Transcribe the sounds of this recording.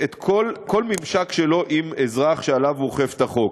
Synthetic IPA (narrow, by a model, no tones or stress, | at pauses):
et̪kʰolko̞lmimʃakʃelo̞ʔimezʁaχʃealavoχeftaχo̞k